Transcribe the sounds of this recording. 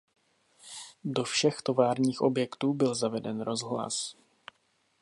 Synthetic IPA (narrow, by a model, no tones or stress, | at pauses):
do̞fʃɛxt̪o̞vaːɾɲiːxʔo̞̰bjɛkt̪uːbɪlzavɛdɛnɾo̞zɦla̰s